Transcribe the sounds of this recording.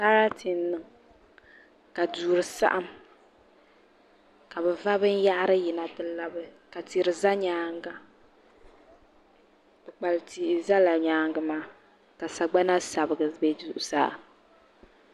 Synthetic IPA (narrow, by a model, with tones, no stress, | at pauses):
ta˦ɾa˦tʰi˨nː˦ɨ˨ŋ | ka˨duː˨ɾɨ˨sa̰˦ʔa˦m | ka˨bɛ˨va˦bɨ˦n˦ja˦ʔa˦ɾɨ˦ji˨na˨tɨ˦la˦bɨ˦ka˨ti˨ɾɨ˨za˦ɲaː˦ŋɡa˦ | bɨ˨k͡pa˨lti˨ʔɪ˨za˦la˨ɲaː˨˦ŋɡɨ˨maː˦ | ka˨sa˨ɡ͡ba˦na˦sa˨bɨ˨ɡɨ˨be˦zu˨ʔʊ˨sa̰ː˦˨